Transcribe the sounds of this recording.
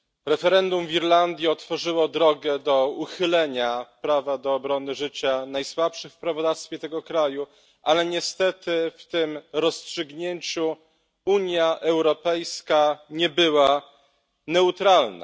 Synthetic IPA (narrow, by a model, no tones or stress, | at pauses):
ɾɛfɛɾɛnd̪umvʲiɾland̪ʲjiɔt̪fɔʐɘwɔd̪ɾɔɡɛd̪ɔuxɘlɛɲapɾavad̪ɔːbɾɔnɘʐɘt͡ɕanajswapʂɘxfpɾavɔd̪afst̪fʲjɛt̪ɛɡɔkɾaju | ʔalɛɲɛst̪ɛt̪ɘft̪ɘmɾɔstʂɘɡɲeɲt͡ɕu | uɲjaʔɛwɾɔpɛjskaɲɛbɘwa | nɛut̪ɾalna̰